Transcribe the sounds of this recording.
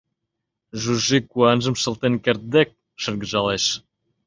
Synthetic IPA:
ʒuʒikuɑnʒə̆mʃə̆lˠt̪enkert̪̚d̪ek̚ | ʃə̆rɡə̆ʒɑleʃ

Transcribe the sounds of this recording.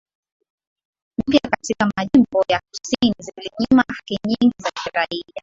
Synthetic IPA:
m̩pjakatikamaʄimbɔjakusiniziliɲimahakiɲiŋɡizakiɾaia

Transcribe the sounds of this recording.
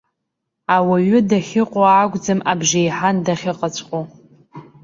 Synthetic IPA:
awaɥʊdaχʲɪqʷʼoaːɡʷʼd͡zɨmabʒejħandaχʲɪqʼat͡ɕʷʰʼqʼo

